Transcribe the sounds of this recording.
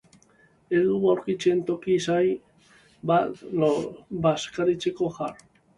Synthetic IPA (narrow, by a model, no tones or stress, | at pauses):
elðuawɾkit͡ʃe̞nt̪o̞kisaj | bat̪lbaskaɾit͡se̞ko̞xaɾ